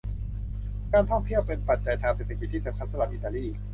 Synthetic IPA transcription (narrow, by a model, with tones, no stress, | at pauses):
kaː˧nt̪ʰɔ˥˩ŋt̪ʰi˥˩əwpe˧npa˨˩t̪̚t͡ɕa˧jt̪ʰaː˧ŋse˨˩t̪ʰa˧ki˨˩t̪ʰːiː˥˩t͡ɕa˧˩pʰa˦˥t̪̚sa˧la˧˩ʔi˨˩t̪aː˧liː˥˩